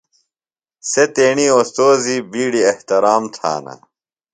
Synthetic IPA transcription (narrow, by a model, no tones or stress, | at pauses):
set̪eːɳiost̪oːzibiːɽieht̪ɐɾaːmt̪ʰa̰ːna̰